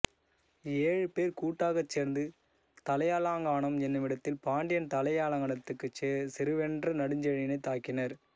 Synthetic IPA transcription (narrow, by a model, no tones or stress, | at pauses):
eːɻɯpeːɾkuːʈːaːɣɐt͡ʃːeːɾnd̪ɯ | t̪ɐlɐjaːlaːŋɡaːɳɐmɛnːɯmɪɽɐt̪ːɪlpaːɳɖɪjɐnt̪ɐlɐjaːlɐŋɡɐnɐt̪ːɯkːɯsɪɾɯʋɛndrɐnɐɽɯɲd͡ʒɐɻɪnɐɪt̪ːaːkɪnɐɾ